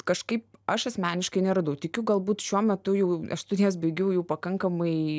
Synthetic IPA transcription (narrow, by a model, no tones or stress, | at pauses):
kɐʃkɐɪp̚ɐʃɐsʲmʲæːnʲɪʃkɐɪnʲɛɾɐd̪ɐʊt̪ʲɪkʲʊɡɐlˠbuːt̪ʃʲuɔmʲɛt̪ʊjɛʊɐʃst̪ʊd̪ʲjɛːs̬bʲɐɪɡʲɛʊjɛʊpɐkɐŋkɐmɐɪ